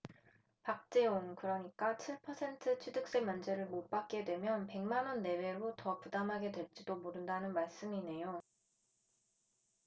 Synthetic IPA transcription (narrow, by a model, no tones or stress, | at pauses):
pak̚t͡ɕ͈eonkɯɾʌɲik͈at͡ɕʰiɭpʰʌsʰe̞ntʰɯt͡ɕʰwidɯk̚s͈e̞mjʌnd͡ʑe̞ɾɯɭmop͈ak̚k͈e̞dwe̞mjʌnpe̞ŋmanʌnːe̞we̞ɾotʌpudamɦaɡe̞dwe̞ɭt͡ɕ͈idomoɾɯndanɯnmaɭs͈ɯmine̞jo